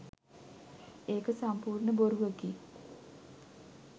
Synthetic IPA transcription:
eːkəsampuːrɳəboɾuʋəki

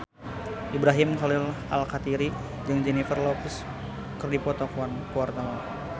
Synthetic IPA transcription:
ʔibɾaɦimkalɪl | alkat̪iɾi | d͡ʒɨŋd͡ʒɛnifərlɔps | kɨrdipɔt̪ɔkuankuwart̪awan

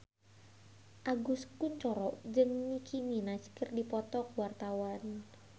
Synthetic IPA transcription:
ʔaɡuskunt͡ʃɔɾɔʔd͡ʒɨŋnikʰiminaskərdipɔt̪ɔkwart̪awan

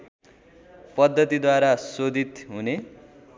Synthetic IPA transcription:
pʌd̪ʱːʌt̪id̪waɾasod̪ʱit̪ɦune

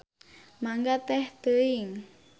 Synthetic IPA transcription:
maŋɡat̪ɛht̪əiŋ

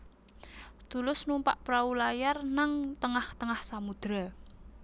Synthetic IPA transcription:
t̪ulʊsnumpa̰ʔpɾaulajarnaŋt̪əŋaht̪əŋahsamud̪̥ɾa

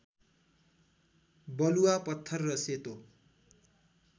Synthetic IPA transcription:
bʌluwapʌt̪ʰːʌrːʌset̪o

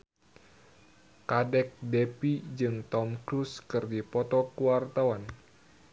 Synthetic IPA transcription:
kadɛk̚dɛpid͡ʒɨŋt̪ɔmkɾuskɨrdipɔt̪ɔkuwart̪awan

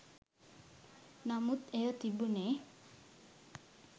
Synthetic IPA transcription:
namut̪ejot̪ibune

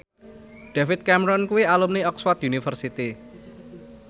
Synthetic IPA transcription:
ɖ̥afɪt̪̚kɛmɾɔnkuwialumniɔkswat̪junifərsit̪i

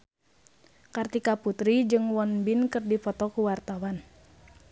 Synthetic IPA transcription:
kart̪ikaput̪ɾid͡ʒɨŋwɔnbinkɨrdifɔt̪ɔkuwart̪awan

